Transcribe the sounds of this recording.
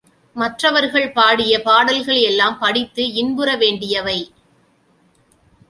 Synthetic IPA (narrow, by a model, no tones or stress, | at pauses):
mɐʈrɐʋɐɾɣɐɭpaːɽɪjɐpaːɽɐlɣɐɭɛlːaːmpɐɽɪt̪ːɯɪnbɯɾɐʋeːɳɖɪjɐʋɐɪ